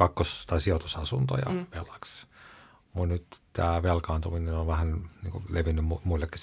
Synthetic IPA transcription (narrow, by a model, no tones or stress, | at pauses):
kɑkːost̪ɑsiot̪usɑsunt̪o̰jɑ̰ʋelɑks | munnyt̪t̪æːʋelkɑːnt̪uminenonʋæhænnḭːŋkṵleʋinːymumuilːekːi̥s